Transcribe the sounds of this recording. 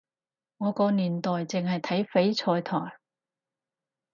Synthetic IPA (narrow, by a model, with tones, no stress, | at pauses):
ŋɔː˨˧kɔː˧niː˨˩nt̪ɔː˨jt͡sɪ˨ŋhɐ˨jt̪ʰɐ˨˥jfe˨˥jt͡sʰɔː˧jt̪ʰɔː˨˩j